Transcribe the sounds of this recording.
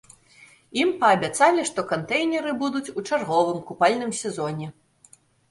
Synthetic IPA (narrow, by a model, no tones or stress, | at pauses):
impɐːbʲat̪salʲiʂt̪ɔkant̪ɛjnʲɛɾɨbud̪ut͡sʲut͡ʂarɣɔvɨmkupalʲnɨmsʲɛzɔnʲɛ